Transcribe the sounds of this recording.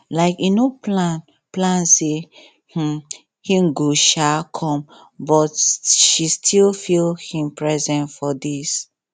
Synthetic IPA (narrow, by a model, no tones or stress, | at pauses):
laɪkinoplãn | plãnse | h̩ | hĩmɡoʃakʰɔ̃m | bɔtʃistʰilfilˠhĩmpɹɛzɛ̃ntfɔdis